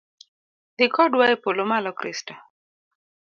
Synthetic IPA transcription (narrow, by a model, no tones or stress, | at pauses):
dikʰɔdwaepolomalɔkɾista